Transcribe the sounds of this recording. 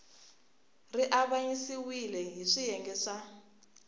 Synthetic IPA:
riʔaβaɲisiwilɛɦiʂijɛŋɡɛʂa

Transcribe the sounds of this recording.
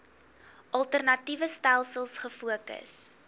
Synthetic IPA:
ʔɐlˠtərnɐtivəstælˠsəlˠsχəfuəkə̰s

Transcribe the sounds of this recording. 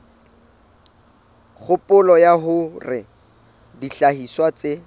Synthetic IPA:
χʊpʼʊlɔjaɦʊrɪ | diɬahiswat͡sɪ

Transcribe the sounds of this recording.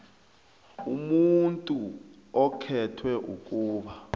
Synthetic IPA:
umuntʼu | ɔkʰɛtʰwɛʔṵkʼuːɓa

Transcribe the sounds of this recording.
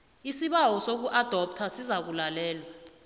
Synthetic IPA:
isiɓawɔsok̬uʔad̥ʱɔp̚tʰasizak̬ulalɛːlwa

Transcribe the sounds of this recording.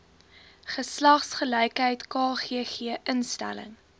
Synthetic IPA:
χəslɐχsχəlɛjkɦəjtkɑːχiəχiəʔənstæ̰lə̰ŋ

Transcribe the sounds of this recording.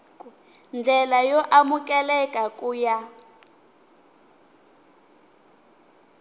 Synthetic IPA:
nd͡ɮʱɛlajɔʔamukʼɛlɛkʼakʼuːja

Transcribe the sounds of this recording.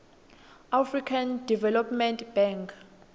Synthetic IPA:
afrikʰandivɛlɔpmɛntʰb̥ɛŋkʰ

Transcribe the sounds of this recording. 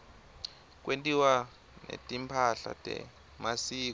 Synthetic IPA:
k̬wentʼiwa | netʼimpʰaɬa̰tʼɛ̰ | masiːkɔ

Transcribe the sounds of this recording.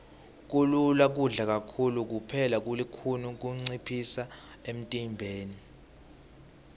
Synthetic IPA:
k̬ululak̬uɮak̬ʼakʰuluk̬upʰɛlak̬ulikʰunuk̬uŋ͡ǀipʰisa | em̩tʼimbʱeːni

